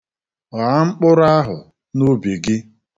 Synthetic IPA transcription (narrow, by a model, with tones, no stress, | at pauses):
ɣa˨˦ŋ͡m̩˦k͡pʊ˦ɾa˦ɦʊ˨ | no˦be˨ɡɪ˦